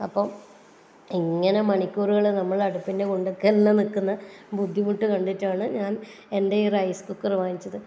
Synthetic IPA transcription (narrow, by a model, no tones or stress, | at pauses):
ɐpːɐm | iŋːɐne̞mɐɳikʲːuːɾuɣɐɭenɐmːɐɭɐɽupːinde̞koɳɖɨkːɐlnːɐnikːunːɐbud̪ʱːimuʈːɨkɐɳɖitːaːɳɨɲaːn | e̞ndeirɐjskukːɐrʋaːnit͡ɕːɐðɨ